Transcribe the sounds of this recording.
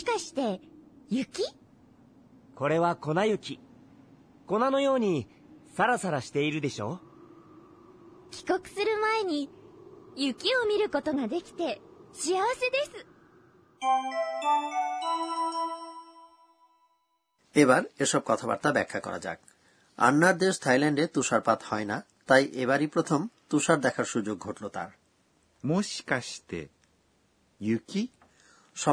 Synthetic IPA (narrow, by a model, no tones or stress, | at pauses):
i̥kaɕi̥t̪e̞jɯkʲi | kʰo̞ɾe̞βako̞najɯ̟kʲi | ko̞nano̞jo̞ːɲ̟i | saɾasaɾaɕi̥t̪e̞iɾɯ̟d̪e̞ɕo̞̰ː | kʲi̥ko̞kɯ̟̥sɨɾɯ̟mae̞ɲ̟i | jɯkʲio̞mʲiɾɯ̟ko̞t̪o̞ŋad̪e̞kʲi̥t̪e̞ɕiaβase̞d̪e̞sɨ̥ | eβaɾeʃɔb̚kɔt̪ʰaba̰ɾt̪abɛkʰːakɔ̰ɾa̰d͡ʑa̰k̚ | a̰nːaɾd̪eʃt̪ʰajlaɳɖet̪uʃaɾpat̪hɔena | t̪ajʔeβaɾipɾot̪ʰomt̪uʃaɾd̪ɛkʰaɾʃud͡ʑoɡ̚ʱoʈlot̪a̰ɾ | moɕi̥kaɕi̥t̪ḛ | jɯki | ʃɔ